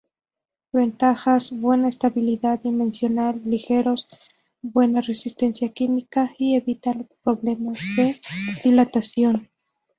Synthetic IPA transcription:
be̞nt̪axasbwe̞naest̪aβiliðaðimẽ̞nsjo̞nalːixe̞ɾo̞s | bwe̞nare̞sist̪e̞nsjakimikaie̞βit̪anpɾo̞βle̞mazðe̞ðilat̪asjo̞n

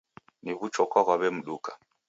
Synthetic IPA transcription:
niβut͡ʃɔkaɣwaβɛm̩ɗukḁ

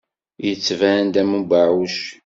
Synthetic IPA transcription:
jət͡sːvænd̪æmubaʕuʃ

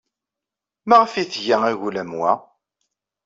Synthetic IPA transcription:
maʁfiθʝæŋiʝulæmwæ̰

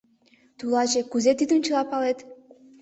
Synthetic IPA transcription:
t̪ulɑʒekuzet̪it̪unʲt͡ɕəlɑpɑlet̪

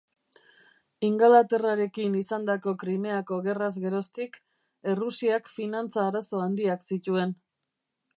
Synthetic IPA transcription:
iŋɡalat̪e̞raɾe̞kinisand̪ako̞kɾime̞ako̞ɣe̞razɣe̞ɾo̞st̪ik | e̞rusiakfinant͡saːɾaso̞and̪iaksit̪ue̞n

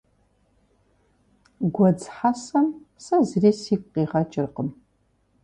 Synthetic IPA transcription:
ɡʷɔd͡zħasɐmsɐzriːsiːkʷʼqiːʁɐt͡ʃʼɪrqəm

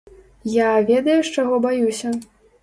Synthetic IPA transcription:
javʲɛd̪ɐjuʂt͡ʂaɣɔbajusʲɐ

